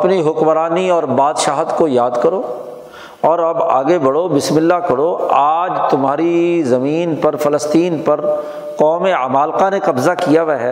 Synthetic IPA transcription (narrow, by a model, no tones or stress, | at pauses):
ɐpniɦʊkmɾaːniɔːɾbaːd̪ʃaːɦət̪kojaːd̪kɐɾoː | ɔːɾɐba̰ːɡebɐɽobɪsmɪlːakɐɽoaːd͡ʒt̪ʊmɦaːɾizɐmiːnpɐɾfɐləst̪iːnpɐɾ | qɔːmeamaːlqanekɐbzakijaʋɛɦɛ